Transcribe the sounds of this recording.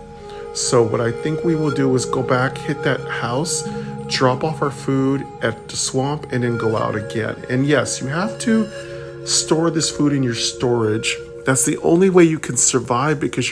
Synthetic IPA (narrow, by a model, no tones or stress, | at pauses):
soʊwʌɾaɪθɪ̃ŋkwiwɪlˠdɨɪzɡoʊbækhɪt̪̚ðɨt̚haʊsd̥ɹɑpɔfaʊə˞fuɾ | ɛftʰɨswɑ̃mpɨ̃nðɨ̃nɡoʊa̰ʊɾɨɡɛ̰̃nɨ̰̃njɛsjɨɦæftʰɨ | stɔɹðɪsfuɾɨ̃njə˞stɔɹɪdd͡ʒ | ðætsðiʔõ̰ʊ̃nliweɪjɨkʰɨ̃n̩sə˞vaɪvbɨkʰʌz